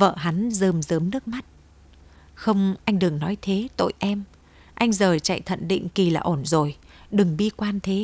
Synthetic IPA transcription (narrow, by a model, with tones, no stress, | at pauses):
və̰ː˧˨ɦa˨˦nzəː˨˩mzəː˨˦mnɨ˦˥ək̚ma˦˥t̚ | xə˧wŋ͡mʔa˧jŋ̟ɗɨ˨˩əŋnɔ˨˦jt̪ʰe˨˦t̪o̰˧˨jʔɛ˧m | ʔa˧jŋ̟zəː˨˩t͡ɕa̰˧˨jt̪ʰə̰˧˨nɗḭ˧˨ŋ̟ki˨˩laː˨˩ʔo˧˩nzo˨˩jɗɨ˨˩ŋɓi˧kwaː˧nt̪ʰe˨˦